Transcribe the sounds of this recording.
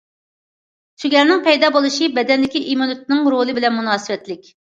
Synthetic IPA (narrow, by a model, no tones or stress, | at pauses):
ʃyɡʲɛɾnɪŋpʰɛjd̪ɑːbolˠuʃibɛd̪ɛnd̪ɪkʲiʔimunut̪̚nɨŋɾolˠɨbɪlɛnmunɑːsɨwɛt̪lɪkʲ